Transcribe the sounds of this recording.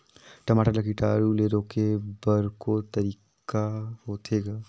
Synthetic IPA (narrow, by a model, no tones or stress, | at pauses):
ʈɐmaːʈaləkiʈaːɾuleːɾoːkebəɾkot̪ɐɾiːkkahoːt̪ʰeːɡaː